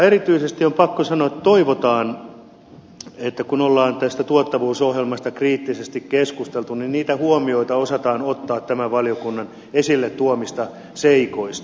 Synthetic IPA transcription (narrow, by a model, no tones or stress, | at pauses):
eɾit̪yisest̪iompɑkːosɑnoet̪ːt̪oiʋot̪ɑːn | et̪ːækunolːɑːnt̪æst̪æt̪uot̪ːɑʋuːsohjelmɑst̪ɑkriːt̪ːisest̪ikkeskust̪elt̪uninniːt̪æhuomioit̪ɑosɑt̪ɑːnot̪ːɑːt̪tæmæʋʋɑlijokunːɑn | esilːet̪t̪uomist̪ɑ | seikoist̪